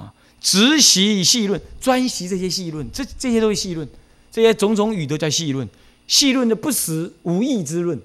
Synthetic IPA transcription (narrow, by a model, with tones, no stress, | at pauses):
ʈ͡ʂɻ̩˧˦ɕi˧˥˨ɕi˥˧lwə˥˨nt͡swa˥nɕi˧˥ʈ͡ʂɤ˥˧˩ɕ̬jɛ˥ɕi˥˧lwə˥˨nʈ͡ʂʈ͡ʂɤ˥˧ɕ̬jɛ˥t̪o˥we˥˧˩ɕi˥˧lwə˥˩˨n | ʈ͡ʂɤ˥˧˩ɕjɛ˦˥t͡sʊ˧˥ŋt͡sʊ˧˥ŋy˨˩t̪o˧˥ʊt͡ɕjɑ˥˧ʊɕi˥˧lwə˥˩n | ɕi˥˧lwə˥˩nd̪ə˨pu˥˩sɹ̩˨˩u˧˥i˥˧t͡sɹ̩˥lwə˥˩n